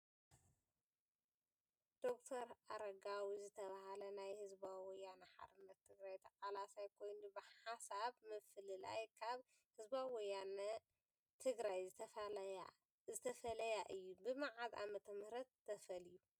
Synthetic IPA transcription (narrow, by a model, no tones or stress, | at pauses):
d̪̥o̞k̚t̪ʰɐɾaɾɐɡawizɨt̪ʰɐβahalɐnajhɨzbawɔjːanɐħa̰ɾɨnːɐt̪ʰːɨɡɾajt̪ʰɐqʼalasajkʰo̞jnubɨħasaβmɨflɨla̰jkʰaβ | hɨzbawɔjanɐ | t̪ʰɨɡɾajzɨt̪ʰɐfa | zɨt̪ʰɐfɐlɐjaʔɨjːubɨmaʕaza̰mɐt̪ʰɐmhɾɐt̪ːɐfɐliju